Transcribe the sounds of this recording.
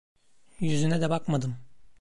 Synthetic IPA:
jyzynɛd̪ɛbakmad̪ɯm

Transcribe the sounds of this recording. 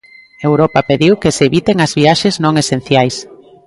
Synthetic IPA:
ewɾɔpɐpeðiwkeseeβit̪eŋɐzβiaʃeznõŋesen̟θjajs

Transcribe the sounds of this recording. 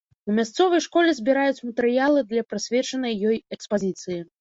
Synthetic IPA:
numʲast̪sɔvɐjʂkɔlʲɛzʲbʲiɾajut͡sʲmɐt̪ɛɾɨjalˠɨd̪lʲɐpɾɨsʲvʲɛt͡ʂɐnɐjːɔjɛkspazʲit̪sɨji

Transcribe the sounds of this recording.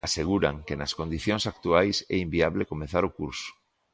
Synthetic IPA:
aseɣuɾa̰ŋkenaskond̪iθjoŋsak̚t̪uajsɛ̰imbiaβlekomeθaɾokuɾso̥

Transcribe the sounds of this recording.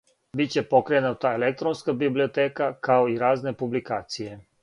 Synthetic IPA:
bitt͡ɕe̞pokɾeenat̪aelek̚t̪ɾonskabiblio̞t̪eːkakaoiɾaːzne̞publikaːt̪sije̞

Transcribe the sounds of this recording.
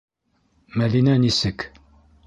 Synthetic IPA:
mæðinænisɘk

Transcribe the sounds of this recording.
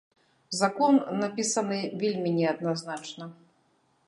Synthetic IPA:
zakɔnːapʲisɐnɨvʲelʲmʲinʲɛɐd̪naznat͡ʂnɐ

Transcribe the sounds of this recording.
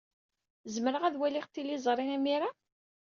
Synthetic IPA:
zməɾəʁæðwæliʁt̪ːilːizˤɾˤinæmiɾa

